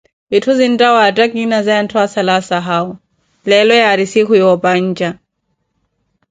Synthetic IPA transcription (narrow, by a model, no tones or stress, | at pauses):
itʰuzin̩tʼawatakinazajan̩tʰwasalasaɦaɔ | lɛlɔjaɾisikʰujɔpaɲ̩ːd͡ʒa